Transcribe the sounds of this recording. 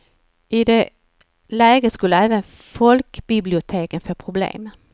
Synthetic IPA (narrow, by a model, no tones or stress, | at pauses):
ʔɪd̪ɛ | læːɡəskɵlːəɛːvən | fɔlkbɪblɪʊt̪ʰeːkənføːpʰɾʊblḛːm